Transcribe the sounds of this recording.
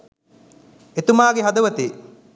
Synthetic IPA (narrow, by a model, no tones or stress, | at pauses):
et̪umaːɡeɦɐd̪ɐʋɐt̪eː